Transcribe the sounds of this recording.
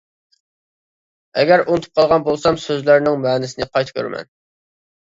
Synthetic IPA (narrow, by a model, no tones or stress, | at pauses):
ɛɡʲæɾunt̪ʰu̥p̚qʰɑlˠʁɑnbolˠsɑmsøzlæɾnɪŋmɛːnɪsɪnɪqʰɑjt̪ʰɨ̥kʲʰø̰ɾmɛ̰n